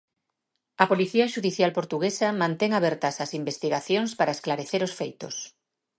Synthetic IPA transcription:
ɐpoliθiɐʃuðiθjalpoɾt̪uɣesɐmãnt̪ɛŋaβ̞ɛɾt̪ɐsɐsimbest̪iɣaθjoŋspaɾaesklaɾeθeɾosfejt̪ʊ̰s

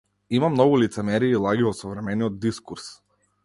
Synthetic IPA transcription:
imamnɔɡulit̪sɛmɛɾiːlˠaɡivɔsɔvɾɛmɛniɔd̪̚d̪iskuɾs

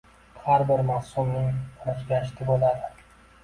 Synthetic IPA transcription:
haɾbɪɾmafsʊmnɪŋʰɾɪʃɡʲaʃt̪ʰɪbolad̪ɪ

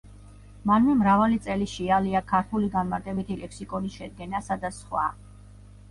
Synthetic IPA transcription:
manmɛmɾavalit̪sʼɛliʃialiakʰaɾt̪ʰuliɡanmaɾt̪ʼɛbit̪ʰilɛkʰsikʼɔniʃɛd̪̚ɡɛnasad̪asχwa̰

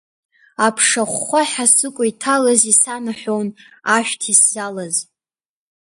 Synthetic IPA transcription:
apʰʂaχʷaħasɨkʷʼʊitʰalazisanaħʷown | aʃᶣtʰiszalaz

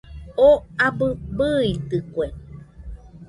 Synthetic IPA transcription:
oabɨbɨit̪ɨkʷe

